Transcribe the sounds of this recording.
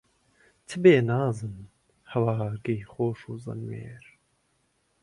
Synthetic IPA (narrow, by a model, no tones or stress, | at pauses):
t̪ʰɨbeːnaːzɨn | hɐwɑːɾɡejχoːʃuːzɐ̰nwḛːɾ